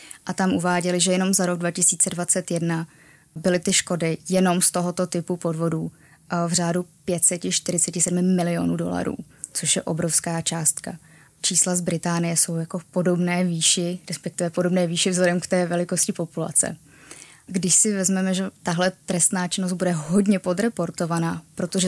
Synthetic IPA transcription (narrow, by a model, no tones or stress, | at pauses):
ʔat̪amʔuvaːɟɛlɪʒɛjɛno̞mzaɾo̞ɡ̚dvacɪsiːt͡sɛdvat͡sɛt̪jɛdna | bɪlɪt̪ɪʃko̞dɪjɛno̞mst̪o̞ɦo̞t̪o̞t̪ɪpupo̞dvo̞duː | vr̝aːdupjɛt̪sɛcɪʃt̪ɪɾɪt͡sɛcɪsɛdmɪmɪlɪo̞nuːdo̞̰la̰ɾṵː | t͡soʃjɛʔo̞̰bɾo̞fskaːt͡ʃaːst̪ka̰ | t͡ʃiːslazbɾɪt̪aːnɪjɛso̞wjako̞fpo̞do̞bnɛːviːʃɪɾɛspɛk̚t̪ɪvɛpo̞dobnɛːviːʃɪvzɦlɛdɛmkt̪ɛːvɛlɪko̞scɪpo̞pula̰t͡sɛ̰ | ɡdɪʃsɪvɛzmɛmɛʒɛt̪aɦlɛt̪ɾɛst̪naːt͡ʃɪnos̬t̪̚budɛɦo̞dɲɛpo̞d̪ɾɛpo̞ɾt̪o̞vanapɾo̞t̪oʒɛ